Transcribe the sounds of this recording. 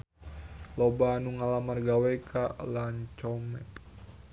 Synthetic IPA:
lɔbaːnuŋalamanɡawɛkʰaʔlaɲt͡ʃɔmɛt

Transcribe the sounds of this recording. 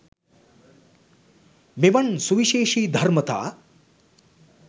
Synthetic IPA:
miʋɐnsuʋiʃeːʂiːd̪ʱɐɾmɐt̪a̰ː

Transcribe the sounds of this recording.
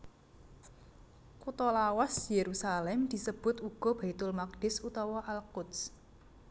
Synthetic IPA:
kut̪ɔlawasjeɾusalɛmd̪̥i̤səb̥ʊt̪uɡ̥ɔ̤b̥a̤it̪ʊlmak̚ɖ̥ɪsut̪ɔwɔʔalkʊt̪s

